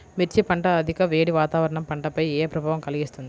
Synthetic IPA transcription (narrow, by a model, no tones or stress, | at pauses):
meɾt͡ʃipɐɳʈɐːd̪ʱikɐʋeːɽiʋaːt̪aːʋɐɾɐɳɐmpɐɳʈɐpɐjeːpɾɐbʱaːʋɐmkɐliɡist̪und̪i